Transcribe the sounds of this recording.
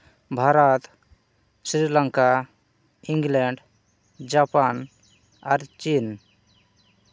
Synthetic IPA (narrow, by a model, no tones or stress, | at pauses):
bʱaɾat̪ | sɾilaŋka | iŋɡlɛɳɖ | d͡ʒapan | aɾt͡ʃin